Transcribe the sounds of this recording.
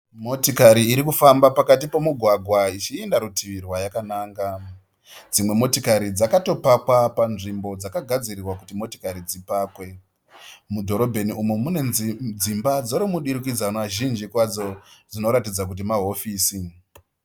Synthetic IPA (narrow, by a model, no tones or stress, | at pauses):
mo̞tikaɾiːɾikufambapakat̬ipo̞muɡʱwaɡʱwait͡ʃiendaɾutʰiʋirwajakanaːŋɡa | d͡zimwe̞mo̞tikaɾid͡zakato̞pakwapanʐimbo̞d͡zakaɡʱad͡zirirwakutimo̞ti̥kaɾid͡zipaːkwe̞ | mudʱo̞ɾo̞bʱe̞niumumune̞d͡zimbad͡zoɾimuɗiɾik̬id͡zanaʒind͡ʒikwad͡zo̞d͡zino̞ɾatid͡zak̬ut̬imaɦo̞fiːsi